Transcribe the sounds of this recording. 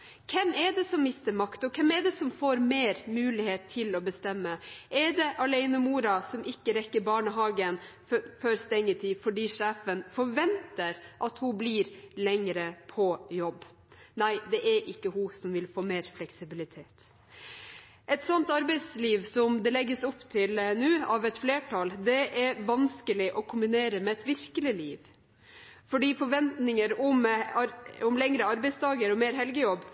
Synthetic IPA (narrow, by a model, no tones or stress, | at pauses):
kʰɛmɛɖ̪ɛsɔmːɪst̪əɾmɑkt̪ɔkʰɛmɛɖ̪ɛsɔmfoːɾmeːɾmʉːlɪheːt̪ʰːɪlɔbəst̪ɛmːəʔɛɖ̪ɛʔɑlɛɪnəmuːɾɑsɔmɪkːəɾɛkːəɾbɑːɳəɦɑːɡən | føɾst̪ɛŋːət̪ʰiːfɔɖiːʂæːfənfɔɾʋɛnt̪əɾʔɑt̪hʊbliːɾlɛŋɾəpʰɔjɔbː | næɪd̪ɛʔɛɾʔɪkːəhʊsɔmʋɪlfoːmeːɾflɛksɪbɪlɪt̪ʰeːt̪ | ʔɛt̪sɔnt̪ɑɾbɛɪsliːʋsɔmd̪ɛlɛɡːəsɔpːt̪ʰɪlnʉːɑʋɛt̪fleːʈʰɑld̪ɛʔæɾʋɑnskəlɪʔɔkʰʊmbɪneːɾəmɛɛt̪ʋɪɾkəlɪliːʋ | fɔɖiːfɔɾʋɛnt̪nɪŋəɾʊmɑɾʊmlɛŋɾəɑɾbɛɪst̪ʰɑːɡəɾɔmeːɾɦɛlɡəjɔb